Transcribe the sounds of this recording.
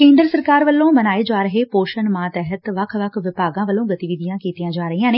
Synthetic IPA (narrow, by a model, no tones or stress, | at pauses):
kẽːnd̪ɾəsəɾkaːɾʋəlːõːmənaːeːd͡ʒaːɾəɦeːpoːʃənmaːt̪ɛːɦət̪ʋəkʰʋəkʰʋɪpaːɡãːʋəlːõːɡət̪iːʋiːd̪ijãːkiːt̪ijãːd͡ʒaːɾəɦiːãːneː